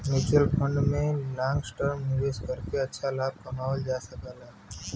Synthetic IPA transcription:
mɪt͡ʃəlpʰə̃ɳɖmẽlãːŋɡsʈəɾmnɪʋeːskəɾkeɐtːʃʰalaːb̚kəmaːəld͡ʒaːsəkəlaː

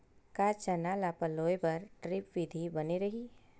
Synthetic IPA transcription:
kat͡ʃɐnaːlapɐloːepɐɾʈɾɪpʋɪd̪ʱibɐniɾɐɦiː

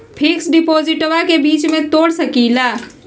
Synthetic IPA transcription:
pʰɪksɖɪpoːzɪʈʋakebiːt͡ʃmẽt̪oːɽsɐkiːlaː

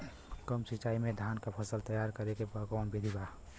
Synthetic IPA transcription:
kəmsit͡ʃaːimẽd̪ʱaːnkapʰəsəlt̪əjaːɾkəɾekebəkanbid̪ʱiba

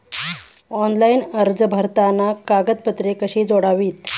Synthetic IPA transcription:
ɔnlainəɾd͡zəbʱəɾt̪anakaɡət̪̚pət̪ɾekəɕiːd͡zoɽaʋiːt̪

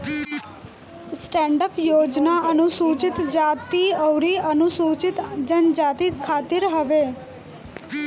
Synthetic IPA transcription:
sʈɛɳɖəpjod͡ʒnaənusut͡ʃɪt̪d͡ʒat̪iəʋɾiənusut͡ʃɪt̪d͡ʒənd͡ʒat̪ikʰat̪ɪɾɦəʋe

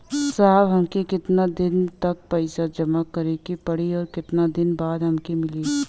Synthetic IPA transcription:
saɦbɦɐmkekɪt̪nad̪ɪnt̪ɐk̚pɐɪsad͡ʒɐmakɐɾekipɐɽiɔːɾkɪt̪nad̪ɪnbaːd̪ɦɐmkemɪleː

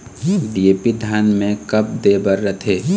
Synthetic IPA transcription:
ɖiepid̪ʱjaːnmẽkəp̚d̪ebəɾːət̪ʰeː

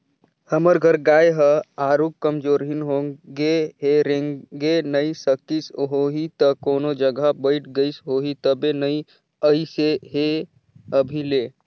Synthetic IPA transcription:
həməɾɡʱəɾɡajɦəaːɾuːkkəmd͡ʒoːɾɦinɦõɡeɦeɾẽŋɡenəisəkisɦoɦit̪əkoːnod͡ʒəɡabəɪʈʰɡəisɦoɦit̪əbenəi | əiseɦe | əbʱile

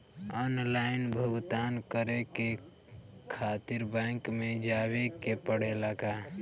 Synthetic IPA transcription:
ɔnlaɪnbʱəɡt̪aːnkəɾeke | kʰat̪iɾbɛkmed͡ʒabekepəɽ̤elaɡa

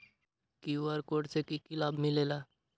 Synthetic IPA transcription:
kiʋəɾkoːɖsekikɪlaːbmɪleːlaː

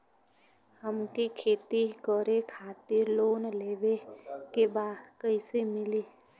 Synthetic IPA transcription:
həmkikʰeːt̪ikɔɾekʰaːt̪ɪɾloːnleːʋekebaːd̪kəisemɪliː

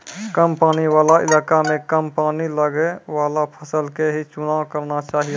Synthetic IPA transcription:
kəmpaːniwaːlaɪ̰laːkamẽkəmpaːniləɡewaːlapʰəsəlkeɦit͡ʃʊnaːwkəɾnat͡ʃaːɦie

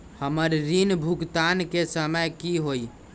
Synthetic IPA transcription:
həməɾɾinbʱukt̪ankesəməkiɦoi

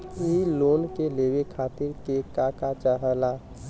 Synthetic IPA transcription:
iloːnkeleːwekʰaːt̪ɪɾkekakat͡ʃəɦəlaː

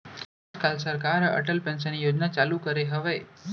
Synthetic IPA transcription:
kalsəɾkaɾə̰ʈəlpɛ̃ns̬ənijod͡ʒnat͡ʃalukəɾeɦəʋe

